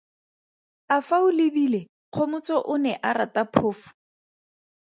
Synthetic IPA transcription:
afaʊlɪbiːle | q͡χʰomʊt͡sɔʔʊnɛʔaɾatapʰʊːfʊ̥

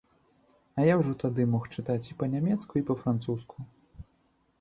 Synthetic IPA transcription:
ɐjawʐɔt̪ad̪ɨmɔxt͡ʂɨt̪at͡sʲipɐnʲamʲɛt̪skuipɐfɾant̪suskʰu

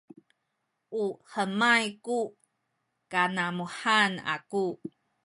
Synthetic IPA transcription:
ʔuhəmajku | kanamuħana̰ku

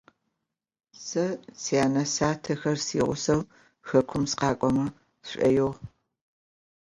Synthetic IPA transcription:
sɐt͡sʰijaːnɐsaːtʰɐxɐrsḭːʁʷʊ̰sɐw | xɐkʷʰʊmsqɑːkʷʼɔmɐ | ɕʷʼɐ̰jɛʁ

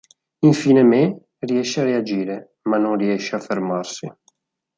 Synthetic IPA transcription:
iɱfiːneme | riɛʃːearead͡ʒiːɾe | manːonriɛʃːeafːermarsi

